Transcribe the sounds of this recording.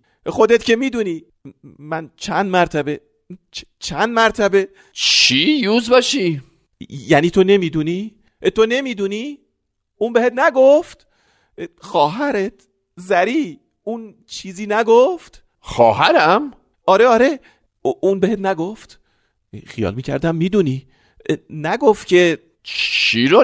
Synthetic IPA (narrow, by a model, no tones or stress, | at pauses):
xo̞d̪et̪ce̞miːd̪uːniː | mænt͡ʃʰænd̪mæɾt̪ʰæbe | t͡ʃ | t͡ʃʰænd̪mæɾt̪ʰæbe̞ | t͡ʃʰijuzbɒːʃi | jæniːt̪ʰone̞miːd̪uni | t̪ʰo̞ne̞miːd̪uniː | uːnbehet̪næɡoft̪ | xɒːɦæɾet̪ | zæɾiː | un | t͡ʃʰiːziːnæɡoft̪ | xɒ̰ːhæɾæm | ɒːɾeɒːɾe | ʔunbehet̪̚næɡoft̪ | xijɒ̰ːlmiːcʰæ̰ɾd̪æmːiːd̪uni | næɡoft̪cʲʰe̞ | t͡ʃʰiɾo